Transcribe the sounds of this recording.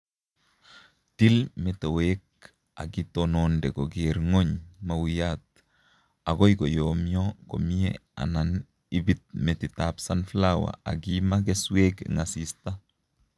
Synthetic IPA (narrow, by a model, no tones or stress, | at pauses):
tilmetowek̚ | a̰ɡitonondɛɡoɡeɾŋoɲmawijat | aɡojɡojomioko̰miea̰nan | ibit̪̚metitapsanflawa̰a̰ɡimaɡesweɡ̰ŋasista